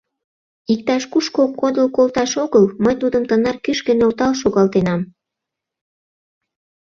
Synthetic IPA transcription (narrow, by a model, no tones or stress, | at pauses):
ik̚t̪ɑʃkuʃkokːod̪əlkolt̪ɑʃoɣəlməjt̪ud̪əmt̪ənɑrkyʃkənolt̪ɑlʃoɣɑlt̪enɑm